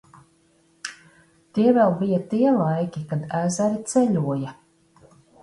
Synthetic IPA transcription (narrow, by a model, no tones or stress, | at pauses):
t̪iɛvɛlˠbijat̪iɛlˠajkʲikad̪æːzæɾit̪sɛʎʲuɔja